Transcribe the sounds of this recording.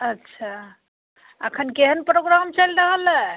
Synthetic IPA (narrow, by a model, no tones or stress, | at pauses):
ətːʃʰa | əkʰənkeɦənpɾoɡɾamt͡ʃəlɾəɦəlɛ